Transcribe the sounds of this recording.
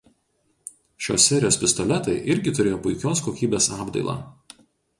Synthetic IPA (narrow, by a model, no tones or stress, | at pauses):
ʃʲo̰ːsʲːɛɾʲɪjoːspʲɪst̪ɔlʲɛt̪ɐɪʔɪɾʲɡʲɪt̪ʊɾʲeːjoːpʊɪkʲoːskoːkʲiːbʲeːsɑːbd̪ɐ̰ɪlˠɑ̰ː